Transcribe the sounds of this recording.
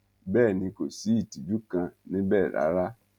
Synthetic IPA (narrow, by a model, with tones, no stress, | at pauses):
bɛː˦˨nĩ˧ko˨si˨˦i˦˨ti˨d͡ʒu˦kã˧nĩ˦bɛː˦˨ɾa̰˨˦ɾa˦